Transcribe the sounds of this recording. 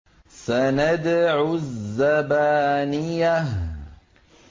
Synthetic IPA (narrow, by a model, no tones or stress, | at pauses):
sanad̪ʕʊzːabaːnɪjːa